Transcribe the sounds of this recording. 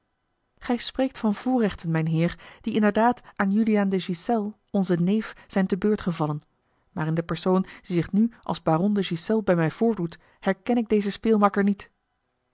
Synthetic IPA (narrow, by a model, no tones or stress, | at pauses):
χɛjsprejk̚tfɑnv̥uːrɛχtənmɛjnɦɪːɹd̥iɪndəɹdaːtʔaːnjyliaːndəʒisɛlˠ | ɔnzənejfz̥ɛjntəbøːɹtχəvɑlən | maːrɪndəpɛɹsownd̥izɪχnyʔɑ̰lˠzbaːrɔndəʒisɛlˠbɛjmɛjv̥ʊːɹdut | hɛɹkɛnɪɡ̚dejzəspɪːlˠmɑkəɹnit